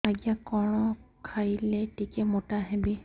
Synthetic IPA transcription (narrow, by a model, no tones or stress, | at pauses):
aɡijakɔɹɔkʰailɛtikɛmotaɦɛbi